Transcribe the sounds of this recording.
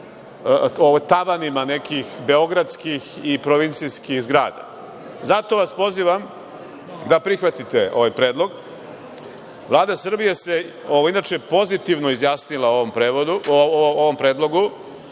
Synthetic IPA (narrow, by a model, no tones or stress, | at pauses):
oʋt̪aʋanimane̞kixbe̞o̞ɡɾad̪skixipɾoʋint̪sijskixzɡɾaːd̪a̰ | zat̪o̞ʋaspo̞ziʋam | d̪apɾixʋat̪it̪eo̞̰ʋajpɾeːd̪lˠo̞ɡ | vlˠaːd̪asr̩bijese̞oʋoinat͡ʃepo̞zit̪iʋnoizjaːsnilaompɾeod̪uoʋo̞mpɾeːd̪lˠo̞ɡu